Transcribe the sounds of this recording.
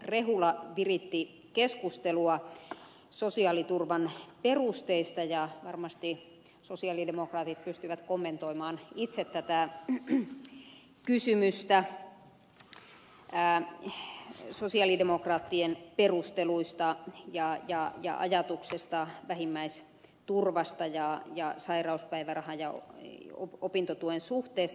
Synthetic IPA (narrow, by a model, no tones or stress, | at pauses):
reɦulɑʋirit̪ːi | keskust̪eluɑ | sosiɑlit̪urʋɑnperust̪eist̪ɑjɑʋɑrmɑst̪i | sosiɑlidemokrɑːt̪it̪̚pyst̪yʋæt̪komːent̪oimɑːnit̪set̪tːæt̪æ | kysymyst̪æ | sosiɑlidemokrɑːt̪ːienperust̪eluist̪ɑjɑjɑjɑ̰ʔɑ̰jɑt̪uksest̪ɑʋæhimːæis | t̪urʋɑst̪ɑjɑjɑsɑirɑuspæiʋærɑhɑjɑo̰opint̪ot̪uensuht̪eːst̪ɑ